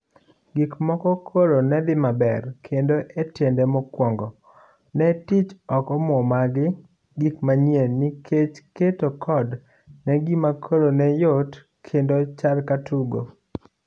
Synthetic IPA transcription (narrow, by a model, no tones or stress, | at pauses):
ɡikmɔkɔkʰoɾonɛd̪ɪmabɛ̰rkʰendoʔetjendɛmɔkwɔŋɡɔ | nɛtit͡ʃɔkɔmɔmaɡɪ | ɡikmaɲjenikʰet͡ʃketokʰɔd | nɛɡimakʰoɾonɛjot | kʰendot͡ʃalkatʰuɡo̰